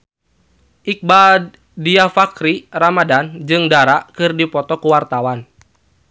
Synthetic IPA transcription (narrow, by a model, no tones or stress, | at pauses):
ʔik̚ba | diafakɾiramadand͡ʒɨŋdaɾaʔkɨrdipɔt̪ɔkuwart̪awan